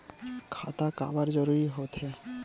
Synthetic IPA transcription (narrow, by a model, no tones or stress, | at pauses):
kʰa̰t̪aka̰baɾd͡ʑɔɾuɾiɦot̪ʰe